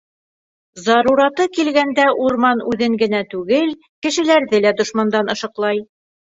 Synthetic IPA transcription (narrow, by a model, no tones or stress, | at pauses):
zɑɾuɾɑt̪ɤkilɡænd̪æʔuɾmɑnʉðɘŋɡɘ̆næt̪ʉɡɘl | kɘ̆ʃɘ̆læɾðɘlæd̪ŏʃmɑnd̪ɑnɤ̆ʃɤ̆qlˠɑj